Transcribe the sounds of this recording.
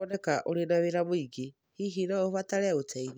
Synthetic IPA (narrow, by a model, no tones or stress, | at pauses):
ɔnɛkaʔoɾenaweɾamoiɡe | hihinɔofataɾɛotɛin